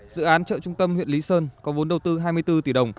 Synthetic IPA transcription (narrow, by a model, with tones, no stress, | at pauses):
zɨ̰˧˨ʔaː˨˦nt͡ɕə̰ː˧˨t͡ɕʊ˧ŋ͡mt̪ə˧mhwḭ˧˨nli˨˦səː˧nkɔ˨˦vo˨˦nɗə˨˩wt̪ɨ˧ɦaː˧jmɨ˧əjt̪ɨ˧t̪i˧˩ɗə˨˩wŋ͡m